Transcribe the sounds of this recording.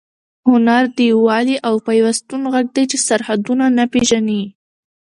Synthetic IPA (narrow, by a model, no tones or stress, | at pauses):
hʊnaɾd̪iwɑliʔawpajwast̪unɣaɡ̚d̪ajt͡ʃesaɾhad̪unanapeʒani